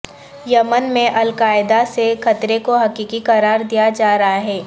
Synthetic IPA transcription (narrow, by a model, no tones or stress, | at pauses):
jɐmənmẽʔɐlkaːɪd̪asexɐt̪ɾekoɦɐkiːkikɐɾaːɾd̪ijad͡ʒaːɾɐɦaɦɛː